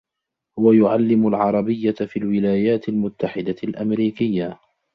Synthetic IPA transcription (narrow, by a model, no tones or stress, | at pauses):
hʊwajʊʕalːɪmʊlʕɑɾˤɑbɪjːafiːlwɪlaːjaːt̪ɪlmʊt̪ːaħɪd̪alʔamɾiːkɪjːa